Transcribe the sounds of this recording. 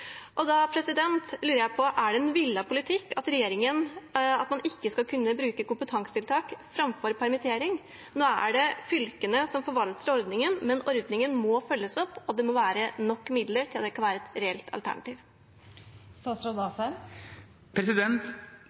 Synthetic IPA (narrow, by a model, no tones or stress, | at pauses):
ʔɔd̪ɑpʰɾɛsɪd̪ɛnt̪lyːɾəjæɪpʰɔʔæɖɛɛnʋɪlːɑpʊlɪt̪ʰɪkːɑt̪ɾɛjeːɾɪŋənɑt̪mɑnɪkːəskɑkʰʉnːəbɾʉːkəkʊmpət̪ʰɑŋsə̥t̪ɪlt̪ʰɑːkfɾɑmfɔɾpʰæɾmɪt̪ʰeːɾɪŋ | noːæ̰ɖɛfʏlkənəsɔmfɔɾʋɑlt̪əɾɔɾd̪nɪŋənmɛnɔɾd̪nɪŋənmɔfœlːəsɔpːɔd̪ɛmɔʋæːɾənɔkːmɪd̪ləɾʈʰɪld̪ɛkʰɑnʋæːɾəɛt̪ɾɛɛlt̪ʰɑ̰lt̪æ̰ɳɑ̰t̪iːʋ | sɑsɾɔd̪ɑsɛ | pʰɾɛsɪd̪ɛnt̪